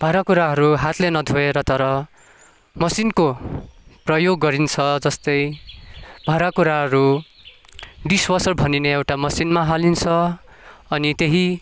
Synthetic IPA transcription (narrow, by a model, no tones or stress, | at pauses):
b̥ʱʌɾakuɾaɦʌɾuɦat̪lenʌd̪ʱoeɾʌt̪ʌɾʌ | mʌsinko | prʌjoɡːʌɾint͡sʰʌd͡zʌst̪ʌj | b̥ʱʌɾakuɾaɦʌɾu | ɖiswʌsʌrbʱʌnineewʈamʌsinmaɦalint͡sʰʌ | ʌnit̪eɦi